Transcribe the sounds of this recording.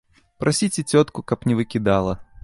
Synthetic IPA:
pɾɐsʲitʲɪtʲot̪kʊkapnʲɪvɨkʲɪd̪alˠə

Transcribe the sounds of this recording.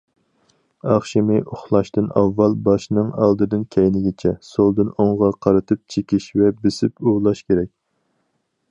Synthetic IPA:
ɑχʃimɨʔoχlˠɑʃt̪ɨnɑvːɑlˠbɑʃnɨŋɑ̰lˠd̪ɨd̪ɨnkʲʰɛjnɪɡʲɪt͡ʃʰɛsolˠd̪ɨnoɴʁɑqʰɑɾɨt̪ʰɨp̚t͡ʃʰekʲiʃvɛbɪsɪpuʁlˠɑʃkʲeɾɛkʲ

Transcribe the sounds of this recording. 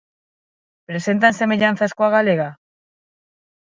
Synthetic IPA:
pɾe̞se̞nt̪anse̞me̞ʎanθaskwaɣale̞ɣa

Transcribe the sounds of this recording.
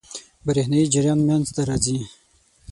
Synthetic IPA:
bəɾehnaid͡ʒɪɾjɑnmjanzt̪aɾɑzi

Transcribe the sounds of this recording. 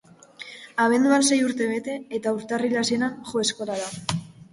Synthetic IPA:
aβe̞nd̪uanse̞juɾt̪e̞βe̞t̪e̞ːt̪auɾt̪arilase̞nanʝo̞e̞sko̞laða

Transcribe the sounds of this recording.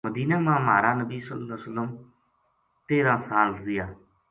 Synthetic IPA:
məd̪iːnaːmãːmɦaːɾaːnəbiːsəəsələm | t̪eːɾãːsaːlɾɪjaː

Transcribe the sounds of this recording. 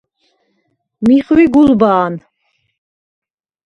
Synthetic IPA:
miχwiɡulbaːn

